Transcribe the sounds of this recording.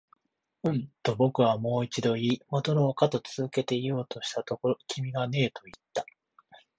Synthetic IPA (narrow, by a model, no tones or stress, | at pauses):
ɯ̟̃nt̪o̞bo̞kɯ̟βamo̞ːit͡ɕid̪o̞iːmot̪oɾoːkat̪o̞t͡sɨzɨke̞t̪e̞ijo̞ːt̪o̞ɕi̥t̪at̪o̞koɾokʲʰimʲiɡane̞ːt̪o̞it̪ːḁ